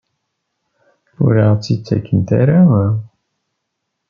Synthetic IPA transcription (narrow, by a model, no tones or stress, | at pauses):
ʊ̰ɾiʁt͡sːit͡sːæ̰kːənt̪æ̰ɾawæ